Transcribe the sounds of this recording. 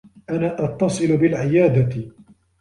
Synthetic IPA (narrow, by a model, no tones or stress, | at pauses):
ʔanaːʔɑt̪ːɑsˤɨlʊbɪlʕɪjaːd̪at̪